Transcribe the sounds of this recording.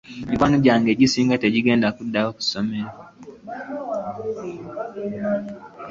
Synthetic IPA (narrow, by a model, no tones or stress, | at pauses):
mikwanoɟaːŋɡe̞ːɟisiːŋɡateɟiɡe̞ːndakudːajoːku̥someɾa